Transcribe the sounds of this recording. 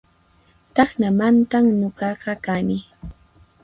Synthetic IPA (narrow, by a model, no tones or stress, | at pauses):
t̪ɑχnamant̪aŋnoɢɑɢɑkanɪ